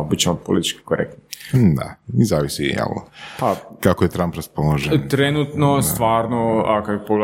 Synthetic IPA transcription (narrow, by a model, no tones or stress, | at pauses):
bit͡ɕemopolḭt̪i̥t͡ʃki̥koɾḛk̚t̪nid̪a̰izaːʋisḭja̰lpakakojet̪ɾampɾaspolaʒet̪ɾenut̪nost̪ʋaːɾnoakapoɡ